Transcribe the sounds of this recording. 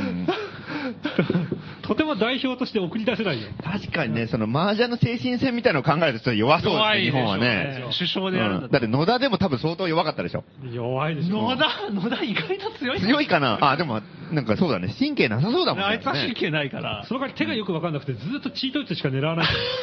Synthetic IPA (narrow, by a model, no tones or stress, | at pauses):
t̪ʰo̞t̪e̞mo̞d̪aiço̞ːt̪o̞ɕi̥t̪e̞okɯ̟ɾʲid̪ase̞naijot̪ʰaɕi̥kaɲ̟ine̞so̞no̞maːʑano̞se̞ːɕĩɰ̃sẽ̞mʲːit̪ainaokãŋɡaet̪ot͡ɕot̪ːojo̞βaso̞ːd̪aɲiɦõ̞a̰neɕɨɕo̞ːd̪eɯ̃ːɯ̃d̪at̪ːeno̞d̪ad̪e̞mo̞t̪abɯ̟̃so̞ːt̪oːjo̞βakat̪ːad̪e̞ɕo̞̰ | joβaid̪enod̪anod̪aiɡait̪ot͡sɨjosɨjo̞ikana̰ad̪e̞mo | nãŋkaso̞ːd̪a̰neɕĩŋke̞ːnas̬aso̞ːd̪amoait͡sɨaɕĩŋkeːnaika̰ɾa̰sonoɡaɲit̪e̞ɡajo̞kɯβakanːakɯ̟t̪e̞d͡zzɨːt̪ːo̞t͡ɕiːt̪oi̥t͡sɨɕi̥kane̞ɾaβanai